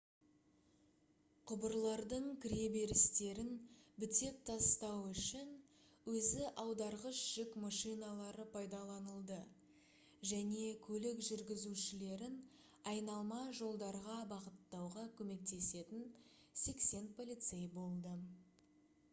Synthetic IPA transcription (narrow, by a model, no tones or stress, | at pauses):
qʰʊbəɾlˠɑɾd̪əɴkʲʰɪɾje̞be̞ɾɪst̪e̞ɾɪnbɪt̪e̞p̚t̪ʰɑsəst̪ɑwʏʃɪn | wɵzɪʔɑwd̪ɑɾʁəsʒ̥ɪkmɑʃijnɑlˠɑɾəpʰɑjd̪ɑlˠɑnəlˠd̪ə | ʒæne̞kʲʰɵlɪkʒʏɾɡʲɪzuʃɪle̞ɾɪn | ɑjnɑlˠmɑʒo̞lˠd̪ɑɾʁɑbɑʁət̪ːɑwʁɑkʲʰɵme̞k̚t̪e̞se̞t̪ɪn | se̞kse̞npʰo̞lʲˠijt̪sejbo̞lˠd̪ə